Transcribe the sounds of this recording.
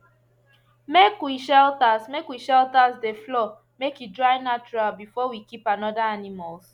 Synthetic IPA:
mekwiʃɛltasmekwiʃɛltasdeflɔ | mekjudɹajnat͡ʃuɹalbifɔwikipanɔdaanimals

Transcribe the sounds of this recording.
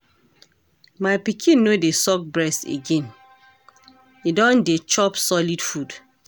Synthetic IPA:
maɪpikʰĩnːodesɔk̚bɹɛstḛɡẽn | idɔ̃ndet͡ʃɔpsɔlidfud

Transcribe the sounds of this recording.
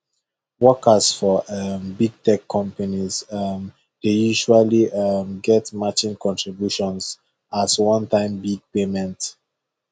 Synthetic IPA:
wɔkəsfɔmbiɡ̚tʰɛkʰːɔ̃mpanizm | d̥ejuʒualiʔʌmɡɛtmat͡ʃĩnkɔ̃ntʰɹibjuʃɔ̃ns | aswɔ̃ntʰãɪ̃mbiɡ̚pemɛ̃nt

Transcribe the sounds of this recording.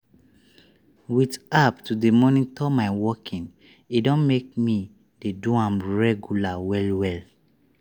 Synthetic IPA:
witaptudemɔnĩntʰɔmaɪwɔkʰĩn | idɔ̃nmek̚mi | deduãmɹɛɡjulawɛlwɛl

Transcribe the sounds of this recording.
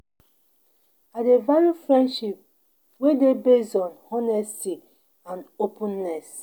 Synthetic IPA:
adevaljufɹɛ̃ndʃip̚ | wedebesɔ̃nɔnɛsti | ãnopũnːɛs

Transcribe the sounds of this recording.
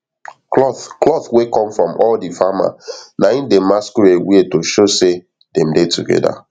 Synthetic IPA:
klɔθklɔθwekɔ̃mfɹɔ̃mʔɔldifama̰naĩndemaskuewietoʃose | dɛ̃mdetuɡɛ̰da̰

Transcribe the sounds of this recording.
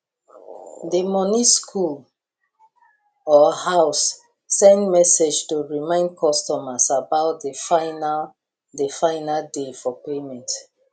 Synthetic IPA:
dəmɔniskʰul | ɔhaʊsː | ɛ̃ndmɛsed͡ʒtuɹimãɪ̃nd̚kʰɔstɔmasabaʊt̚dəfaɪnal | dəfãɪnaldefɔpemɛ̃nt

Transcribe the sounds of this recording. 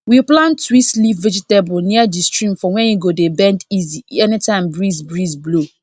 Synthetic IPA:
wiplãntwistlifvɛd͡ʒitebɔnĩadistɹĩmfɔwɛ̃njuɡodebɛ̃ndiziɛnitʰãɪ̃mbɹizbɹizblo

